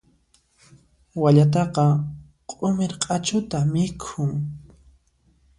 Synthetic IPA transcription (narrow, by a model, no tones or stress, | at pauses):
waʎat̪̬ɑqɑ | qʼʊmeɾqʼɑt͡ʃʊt̪amɪkʰʊŋ